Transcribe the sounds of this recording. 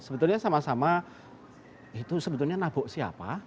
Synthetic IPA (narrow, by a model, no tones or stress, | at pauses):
səbət̪ʊlɲasamasama | it̪usəbət̪ulɲanabɔʔsiha̰pa